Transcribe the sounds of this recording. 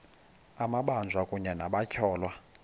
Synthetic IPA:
amaɓand͡zʱwakʼuɲɛnaɓacʰɔːlwa

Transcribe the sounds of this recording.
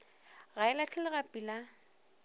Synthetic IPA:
ɣaɪlat͡ɬʰɛlɪɣapʼila

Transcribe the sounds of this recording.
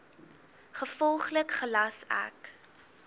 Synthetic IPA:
χəfɔlˠχləkχəlɐsæ̰k

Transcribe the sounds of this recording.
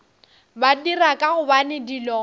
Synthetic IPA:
badirakʼahʊbanɪdilɔː

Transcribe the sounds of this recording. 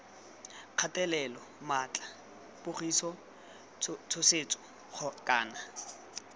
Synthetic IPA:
q͡χʰatʼɛlɛlɔ | mat͡ɬʼa | pʊχisɔ | t͡sʰʊset͡sʼɔ̥ | χɔkʼaːna

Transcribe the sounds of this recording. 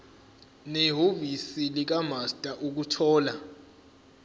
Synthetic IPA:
neɦovisilik̬amastʼaʔuk̬utʰɔːla

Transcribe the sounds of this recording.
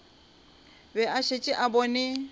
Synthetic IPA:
bɛaʃet͡ʃʼɪʔabɔnɪ

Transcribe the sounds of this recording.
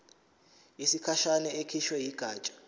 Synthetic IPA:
isikʰaʃanɛekʰiʃwɛjiɡ̥ʱaːt͡ʃʼḁ

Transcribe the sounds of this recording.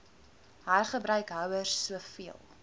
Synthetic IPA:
ɦæːrχəbrœɥkɦœwərsːuəfiəlˠ

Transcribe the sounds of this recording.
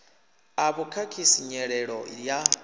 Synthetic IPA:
aβukʰakʰisiɲɛɺɛɺɔ̰ja

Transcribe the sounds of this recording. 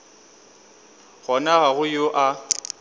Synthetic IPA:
ɣɔnaɣaɣʊjoʔa

